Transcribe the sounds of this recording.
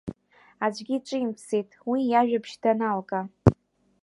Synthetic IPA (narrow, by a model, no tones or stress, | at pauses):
ad͡ʒʷʼɡʲiʈ͡ʂʷʼɨimpʰsejtʼwijaʒᶣapʰʃdanalkʼa